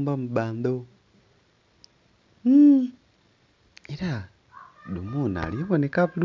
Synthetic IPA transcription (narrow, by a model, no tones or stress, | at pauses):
mbamuβaːnd̪o | eɾa | dumuna̰lieβonekaβul